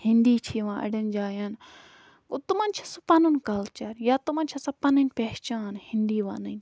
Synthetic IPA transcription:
hɪ̃nd̪iːt͡ʃʰiːʋãːʔɐ̰ɽɐnd͡ʒaːjaːn | kut̪umaːnt͡ʃʰɐ̥supɐnunkɐlt͡ʃɐɾjaːt̪umaːnʲt͡ʃʰɐsɐpɐnɐnʲpeːt͡ʃaːnhɪnd̪iːʋa̰ːnənʲ

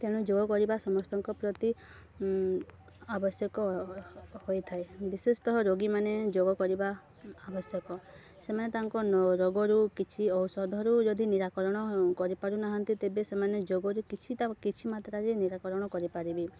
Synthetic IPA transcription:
t̪eɽ̃ud͡ʒoɡɔkɔɾibasɔmɔst̪ɔŋkɔpɾɔt̪i | abɔsjɔkɔ | hojt̪ʰaebisest̪ɔɦɔɾoɡimaned͡ʒoɡɔkɔɾibaː | bɔsjɔkɔ | semanet̪aŋkɔnɔɾoɡɔɾukit͡ʃʰiɔwsɔd̪ʱɔɾud͡ʒɔd̪ʱiniɾakɔɾɔɽ̃ɔkɔɾipaɾunaɦɔnt̪it̪ebesemaned͡ʒoɡɔɾukit͡ʃʰit̪akit͡ʃʰimat̪ɾaɾiniɾakɔɾɔɽ̃ɔkɔɾipaɾibi

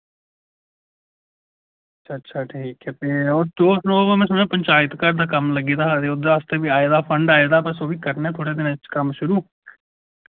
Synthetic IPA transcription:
ətʃʰaːtːʃʰaːʈʰiːkɛːt̪eːod̪oːsloːmɛ̃ːsʊnẽːpəɲt͡ʃaːɪt̪kəɾd̪aːkəmləɡiːd̪aːt̪eːod̪aːəst̪eːbiːaːeːd̪aːpʰəɳɖaːeːd̪aːpəsoːʋiːkəɾnɛ̃ːt̪ʰoːɽeːd̪ɪnẽt͡ʃkəmʃʊɾuː

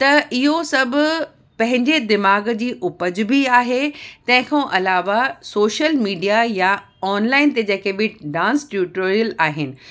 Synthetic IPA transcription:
t̪ɐʔɪɦosɐbʱʊ̆ | pɐ̃ɦɪ̃ɲd͡ʑed̪ɪmaːɡd͡ʑiːʔʊpəd͡ʑʊ̆bʱiaːɦet̪ɐ̃ɦɪ̃kʰãːʔɐlaːʋasoːʃəlmiːɖijaja | ɔːnlaːɪnt̪ed͡ʑɐːkebɪɖãːnsʈjuːʈoːɾijəlaːɦɪnɪ̆

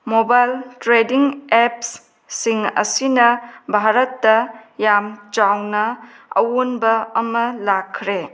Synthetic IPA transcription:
mobajltɾediŋepsː | iŋɐ̰sinɐbʱaɾɐtːɐjamt͡ʃawnɐ | ɐ̰wonbɐɐmɐlakʰːɾe

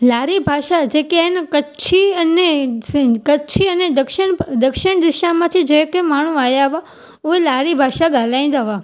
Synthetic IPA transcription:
laːɾibʱaːʃad͡ʒekeankət͡ʃʰiɐneskət͡ʃʰiəned̪əkʃɪɳd̪əkʃɪɽ̃d̪ɪʃamãt̪ʰid͡ʒẽkemaːɳ̤ũaːjaʋa | oelaːɾibʱaːʃaɡaːlaĩnd̪aʋa

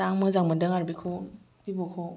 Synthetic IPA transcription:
aŋmɯzaŋmadɯŋaɾbikʰɔ | b̥ibɔkʰɔ

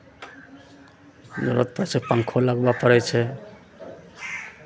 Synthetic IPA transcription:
d̪uɾət̪̚pət͡ʃʰepaŋkʰolaɡbapəɾɛt͡ʃʰɛ

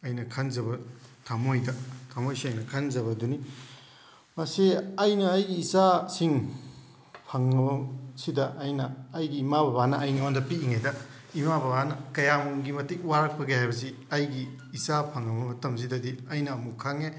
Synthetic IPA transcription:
ɐjnɐkʰanzɐβɐtʰamojdɐtʰamojseŋnɐkʰanzɐβɐduni | mɐsiɐjnɐɐjɡiːsasiŋ | pʰaŋːɐbɐsidɐʔːjnɐːjɡiːmabɐbanɐːjniondɐpiiŋadɐ | imabɐbanɐkɐjamuŋɡimɐtikwaɾɐk̚pʰɐɡehajbɐs̬iɐjɡiː | sapʰaŋːɐbɐmɐtɐms̬idɐdiɐjnɐːmukʰaŋe

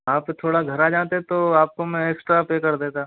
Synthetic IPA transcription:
aːpːet̪ʰoːɽaɡʱɐɾaːd͡ʒãːt̪̬et̪oaːp̚komɛ̃eːksʈɾapeːkɐɾd̪eːt̪aː

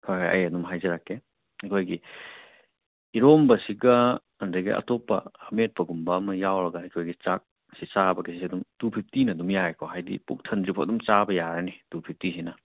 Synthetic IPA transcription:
kʰajɦajʔɐ̰jɐdumɦajzɐɾakːe | ekʰojɡi | iɾombɐsiɡɐː | ndɐjɡḭʔɐ̰topːɐhɐmet̚pɐɡumbɐːmɐjawɾɐɡɐekʰojɡit͡ʃak̚ | sit͡ʃabɐɡesisiɐdumtuɾpʰip̚tinɐdumjaekʰoɦajdḭpṵk̚tʰɐndɾipʰoɐdumt͡ʃabɐjaɾɐnitupʰip̚tisinɐ

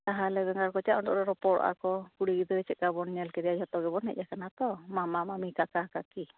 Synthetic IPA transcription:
t̪aɦalɛbɛŋɡaɾkɔt͡ʃaʔɔɳdɔʔɾɔɾɔpɔɾ̰ʔa̰kɔkuɽiɡid̪ɔɾɛt͡ʃɛt̪̚ɡabɔnɲɛlkɛɾiaɔt̪ɔɡɛbɔnɦɛ̰ʔ̚jakanat̪ɔmamamamikakakaki

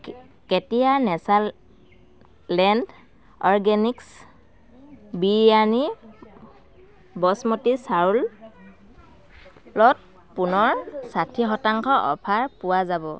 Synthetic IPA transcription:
ketijanɛsa | lɛnd | ɔɹɡɛniks | biani | bɔsmotisaɹul | lɔt̚ | punɔɹsatʰiɦɔtaŋkɔʔɔ̰pʰaɹpʊwazabɔ̰

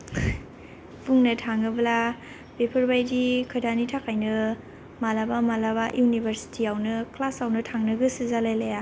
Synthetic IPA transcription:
buŋnɯtʰaŋɯbɐla | bepʰɐɾbajdikʰɯdanitʰakʰajnɯ | malabamalaβaʔjunibʱeɾsi̥tʰiawnɯklasawnɯtʰaŋnɯɡɯsɯzalajlaja

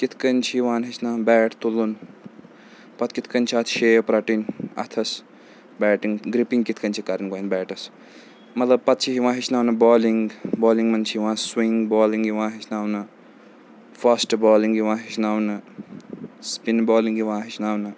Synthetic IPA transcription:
kit̪ʰkɐnt͡ʃʰiʋãːnɦit͡ʃʰnaːnbɛːʈʰt̪ulun | pɐt̪kit̪ʰkɐnʲt͡ʃʰat̪ʰʃeːpɾɐʈinɐ̰t̪ʰɐs | bɛːʈiŋɡɡɾipĩŋɡkit̪ʰkɐnt͡ʃʰikɐɾinkoːinbɛːʈɐs | mɐt̪lɐb̚pɐt̪̚t͡ʃʰiɦiʋãːɦit͡ʃʰnaːwnɐbɔːliŋɡboːliŋɡmɐnt͡ʃʰiʋãːnswiŋɡboːliŋɡiʋãːnɦit͡ʃʰnaːwnɨ | fasʈbɔːliŋɡiʋãːnɦit͡ʃʰnaːwnɨ | spinbɔːliŋɡiʋãːɦit͡ʃʰnaːwnɨ

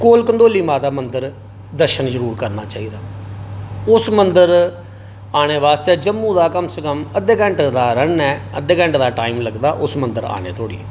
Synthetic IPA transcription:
koːlkənd̪oːliːmaːd̪aːmənd̪əɾ | d̪əɾʃənzəɾuːɾkəɾnaːt͡ʃaːiːd̪aː | ʊsmənd̪əɾ | aːɽ̃eːʋaːst̪eːd͡ʒəmːũːd̪aːkəmsəkəməd̪eːkɛ̃ɳʈd̪aːɾənɛːəd̪eːkɛ̃ɳʈd̪aːʈaːiːmləɡd̪aːʔʊsmənd̪əɾa̰ːnḛːt̪ʰoːɽḭː

